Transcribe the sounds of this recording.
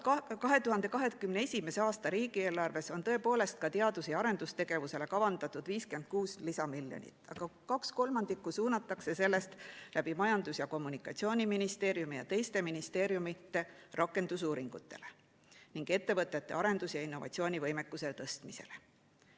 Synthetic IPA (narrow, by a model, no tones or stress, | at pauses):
kɑɦe̞t̪uɦɑnd̪̥e̞kɑɦe̞kymnee̞sʲime̞se̞ɑːst̪ɑɾiːɡie̞ːlɑrve̞so̞nt̪ɤ̞e̞po̞ːle̞st̪̚kɑt̪eɑd̪usiɑɾe̞nd̪̥ust̪e̞ɡ̥e̞vuse̞le̞kɑvɑnd̪̥ɑt̪ːˑud̪viːske̞nd̪̥̚kuːslisɑmiljo̰nʲḭt̪ːˑɑ̰ɡ̥ɑkɑksko̞lmɑnd̪ikːˑusuːnːɑt̪ːˑɑkse̞se̞lːe̞st̪lʔæb̥imɑjɑnd̪̥usjɑko̞mːunikːˑɑt̪sio̞ːnʲiminist̪e̞ːɾjumijɑ̰t̪e̞jst̪e̞minist̪e̞ːɾjumit̪ːˑe̞rʔɑkːˑe̞nd̪̥usuːɾiŋɡ̥ut̪ːe̞le̞ | niŋɡ̥e̞t̪ːe̞vɤt̪ːˑe̞t̪ːe̞̰ɑɾe̞nd̪usjɑinːo̞vɑ̰t̪sio̞ːnʲivɤjmekːuse̞t̪ɤst̪mise̞̰le